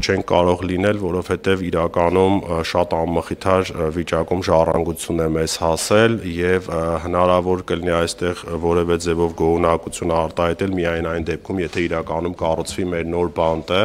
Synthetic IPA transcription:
t͡ʃʰɛŋkʰkːɑɾɔʁlinɛlvɔɾɔvhɛt̪ɛviɾɑkɑnumʃɑt̪ɑmːəχit̪ʰɑɾvit͡ʃɑkumʒɑrɑ̰ŋɡut͡sʰjunɛmɛz̥hɑsɛljɛvɦənɑɾɑvɔɾkəliniɑjst̪ɛʁvɔɾɛvɛd͡zɛvɔvɡɔunɑkut͡sʰjunəɑɾt̪ɑhɑjt̪ɛlmiɑjnɑjnd̪ɛp̚kʰumjɛt̪ʰɛiɾɑkɑn̪umkɑrut͡sʰvimɛɾnɔɾbɑnt̪ə

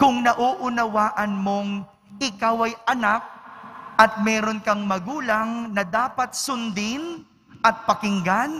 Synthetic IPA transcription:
kʊŋnɐʔoːʔʊnɐwaːʔɐnmo̞ŋ | ʔɪkawʔɐjʔɐnak̚ʔɐt̪̚mɛːɾonkɐŋmɐɡuːlɐŋnɐd̪aːpɐt̪̚sʊnd̪ɪn | ʔɐt̪̚pɐkɪŋɡan

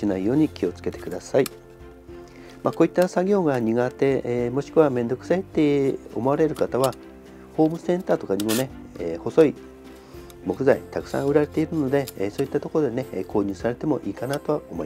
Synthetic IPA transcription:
ɕinaijo̞ːɲ̟ikʲio̞t͡sɨ̥ke̞t̪ekɯ̟d̪asai | mako̞ːit̪ːasaɡʲo̞ːɡaɲ̟iɡat̪e̞mo̞ɕi̥kɯ̟βamẽ̞nd̪o̞kɯ̟̥sait̪ːeo̞̰mo̞aɾe̞ɾɯ̟kat̪aβa | ho̞ːmɯ̟sẽ̞nt̪aːt̪o̞kaɲ̟imo̞ne̞ | eːho̞so̞i | mo̞kɯ̟zait̪akɯ̟̥sã̰ɰ̃ɯ̟ɾaɾe̞t̪e̞iɾɯ̟no̞d̪e̞so̞ːit̪ːat̪o̞koɾo̞d̪e̞ne̞kʰo̞ːɲ̟ɨ̟ːsaɾe̞t̪e̞mo̞ʔiːkanat̪o̞βaomo̞̰i

